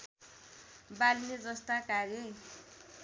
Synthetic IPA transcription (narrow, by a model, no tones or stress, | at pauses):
balined͡zʌst̪akaɡe